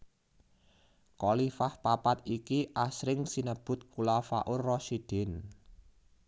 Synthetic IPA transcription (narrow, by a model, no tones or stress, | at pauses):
kɔlifahpapat̪̚ikiʔasɾɪŋsinəb̥ʊ̤t̪̚kulafa̰ʔʊrrɔsid̥ɪ̤n